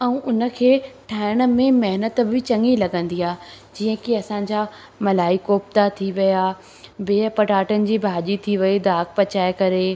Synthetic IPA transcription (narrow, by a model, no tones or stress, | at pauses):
ɛ̃ũʔʊnə̆kʰeːʈʰaːɪɽ̃ə̆mẽmɛɦnət̪̆bɪt͡ɕɐ̃ŋilɐɠə̃nd̪iaːd͡ʑiːə̃kɪɐsãɲd͡ʑa | mɐlaːikoːp̚t̪at̪ʰiʋija | beːpɐʈaːʈənɪ̆d͡ʑiːbʱaːʄit̪ʰiʋɐid̪aːkpɐt͡ɕaːekɐɾe